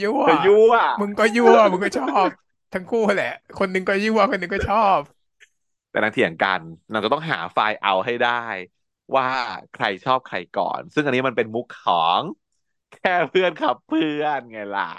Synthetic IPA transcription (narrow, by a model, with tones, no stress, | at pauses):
juː˥˩˧juː˥˩ɐ˩mɯ˧ŋkɔː˥˩juː˧˥˩mɯ˧ŋkɔː˥˩t͡ɕʰɔː˥˩p̚ | t̪ʰa˦˥ŋkʰuː˥˩˨lɛ˨˩ʔkʰo˧nːɯ˧ŋkɔː˥˩juː˥˩ɐ˨kʰo˧nːɯ˧ŋkɔː˥˩t͡ɕʰɔː˥˩p̚ | t̪ɛː˨˩na˦˩ŋt̪i˧˩ja˨˩ŋka˧nːaː˧˩t͡ɕt̪ɔ˥˩ŋɦaː˩˦faː˧jʔa˧wɦa˥˩jdaː˥˩j | waː˥˩kʰɾa˧jt͡ɕʰɔː˥˩p̚kʰɾa˧jkɔ̰ː˨˩nsɯ˥˩ŋʔa˧nːi˦˥ma˧npe˧nmu˦˥kʰːɔː˩˦ŋ | kʰɛː˥˩pʰɯ˥˩ənkʰa˦˥pʰːɯ˥˩ənŋa˧jla̰˨˩